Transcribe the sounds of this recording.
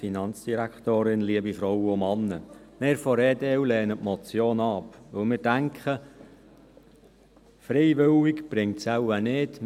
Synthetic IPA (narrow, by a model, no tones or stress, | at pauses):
inɑnt͡sd̥iɾækχt̪oːɾɪnliəbifɾɔwəomɑnːəmeːɾfɔɾeːdewlɛːnətmɔt͡sjoːnɑpʋɵlmɪːɾdæŋkχə | fɾeɪʋʏwɪkb̥ɾɪŋtsæwənɪt